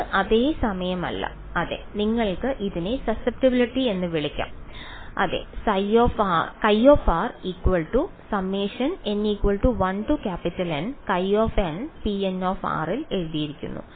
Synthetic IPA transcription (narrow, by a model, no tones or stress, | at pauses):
ʔɐðeːsɐmɐjɐmɐ̰lːɐ̰ | ɐðe̞̰niŋːɐɭkɨʔiðine̞sɐsep̚ʈibiliʈːie̞nːɨʋiɭikʲːa̰ːm | ʔɐ̰ðe̞̰sɐjoːfaːrkɐjoːfaːrikːwɐlʈu | sɐmːiːʂɐne̞nːiːkwɐɭʈuʋɐnʈukʲaːpitːɐlɐnkɐjoːfɐnpienoːfa̰ːrile̞ɻuðijiɾikʲːṵnːṵ